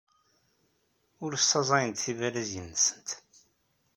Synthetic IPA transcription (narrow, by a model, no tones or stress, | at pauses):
ʊɾst̪ːɑzˤɑjənt̪θivæɾæzənːəsə̥nt̪